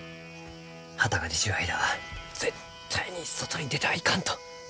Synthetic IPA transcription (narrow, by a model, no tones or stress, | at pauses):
hat̪aɡadiɕiβaiɾad͡z̥ett̪ʰːaiɲ̟iso̞t̪o̞ɲ̟id̪e̞t̪aikãnt̪o̥